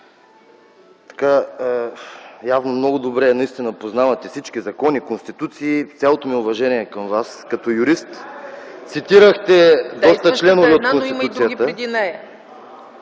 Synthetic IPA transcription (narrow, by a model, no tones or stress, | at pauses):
t̪ɐ̥ka | javnomnɔɡʊd̪obɾɛːnɐist̪inəpoznavɐt̪ɛfsit͡ʃk̟izɐkɔnikonst̪it̪ut̪siːt̪sʲjalˠot̪omiʊvɐʒɛniɛkɐmvaskɐt̪ɔjʊɾist̪t̪sit̪iɾəxt̪ɛd̪ɔst̪ət͡ʃlɛnoviot̪kont̪iut̪iət̪əd̪inɛj